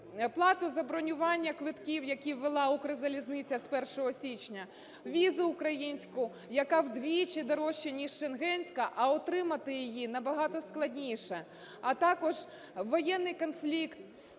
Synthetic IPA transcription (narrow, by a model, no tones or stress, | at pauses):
plˠɑt̪ʊzɐbɾɔnʲʊʋɑnʲːɐkʋɪt̪kʲiwjɐkʲiʋːelˠɑukɾɪzɐlʲiznɪt͡sʲɐspɛrʃɔɦɔsʲit͡ʃnʲɐ | ʋʲizʊʊkɾɐjinʲsʲkʊ | jɐkɑwd̪ʋʲit͡ʃid̪ɔɾɔʃːinʲiʃʃenɦɛnʲsʲkɐʔɐɔt̪ɾɪmɐt̪ɪjɪjinɐbɐɦɑt̪ɔsklˠɐdʲnʲijʃɛ | ɐt̪ɑkɔʒ | ʋɔjɛnːɪjkɔnflʲikt̪